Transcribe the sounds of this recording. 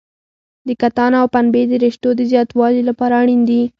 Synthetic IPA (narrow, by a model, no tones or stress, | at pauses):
d̪əkat̪ɑnaawpanbed̪əɾeʃʈod̪əzjɑt̪wɑlilapɑɾaːɽ̃ind̪i